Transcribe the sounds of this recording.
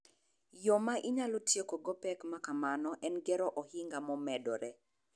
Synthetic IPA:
jɔmaʔiɲalotjekoɡɔpɛkmakamanɔʔɛnɡɛɾɔʔɔhiŋɡamɔmɛdɔɾɛ

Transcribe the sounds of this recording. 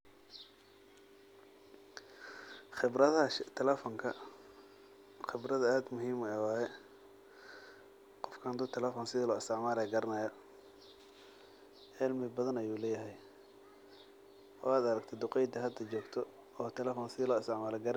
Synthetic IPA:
ɪbɾɐðɐɐt̪ʰɛlɛfɔŋkʰɐ | χɪbrɐðɐaːd̪mʊɦiːmɛwɑːjɛ | qɔfkʰɐnd̪ʊt̪ʰɛlɛːfɔnsɪðilɔːɪst̪ʰɪʕmaːlɐjɡɐɾɐnɐjɐ | ʔɪlmɪbɐðɐnɐjuːlɛːjɐɦɛj | ɔ̰aːd̪ɐɾɐɡt̪ʰɛd̪ʊqɛjd̪ɐɦɐd̪ɐt͡ʃɔːɡt̪ʰɔ | ɔːt̪ʰɛlɛfɔːnsɪðilɔːɪst̪ʰɪʕmaːlɛɡɐɾ

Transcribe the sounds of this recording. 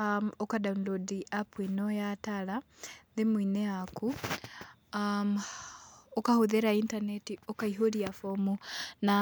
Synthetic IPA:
okadaunlodiʔapwinojatalaðemwineaku | a | okahuðeɾaintanetiokaiɦoɾiafomuna

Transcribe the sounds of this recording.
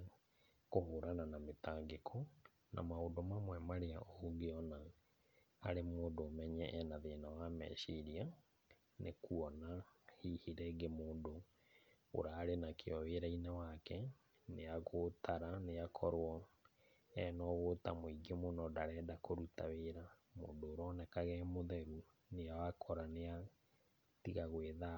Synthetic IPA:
kohoɾananametaːŋɡekʰɔ | na̰maodɔmamwɛmaɾeaʔoɡeɔnaː | ɾemoːndoːmɛɲɛʔɛnaðenawamɛ̰ʃiɾia | nekʰuɔnahihiɾɛɡemoːndo̰ː | ɾaːɾenakʰeɔweɾainawakɛ | neaɣotaɾanejakʰɔɾwɔ | ɛnɔɣotamoiɡemonɔdaɾɛːdakoɾutaweɾa | mo̰ːndoːɾɔnɛkaɣɛmoðɛɾu | neawakʰɔɾanea | tiɣaɣweða

